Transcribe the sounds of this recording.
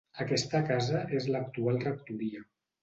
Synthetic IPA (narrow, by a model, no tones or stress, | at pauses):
əkɛst̪əkazəʔezlək̚t̪ualˠrək̚t̪uɾia